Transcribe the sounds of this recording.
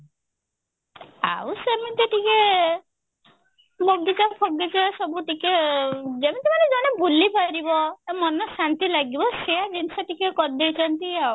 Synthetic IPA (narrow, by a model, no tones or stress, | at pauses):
a̰wsemit̪iʈike | mɔd̪it͡ʃapʰɔɡd̪it͡ʃasɔbuʈiked͡ʒemit̪imaned͡ʒɔnebulipaɾibɔemɔnɔsant̪ilaɡibɔsejad͡ʒinsɔʈikekɔɾid̪ejt͡ʃʰɔnt̪iaw